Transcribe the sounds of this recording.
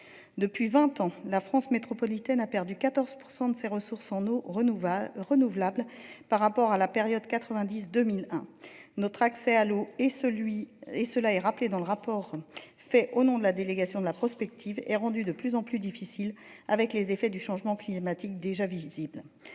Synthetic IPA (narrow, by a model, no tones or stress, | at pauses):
d̪əpɥivɛ̃t̪ɑ̃lafχɑ̃smet̪χɔpɔlit̪ɛnapɛʁd̪ykat̪ɔʁz̥puʁsɑ̃d̪əseʁəsuʁsɑ̃no | ʁənuvlablpaʁːapɔʁalapeʁjɔd̪kat̪χəvɛ̃d̪is̬d̪əmilɛ̃nɔt̪χaksɛalo | iesəlaɛʁapled̪ɑ̃ləʁapɔʁ | fɛʔonɔ̃d̪əlad̪eleɡasjɔ̃d̪əlapχɔspɛk̚t̪ʰivɛʁɑ̃d̪yd̪əplyzɑ̃plyd̪ifisilavɛklezefɛd̪yʃɑ̃ʒmɑ̃klimat̪ik̚d̪eʒavizibl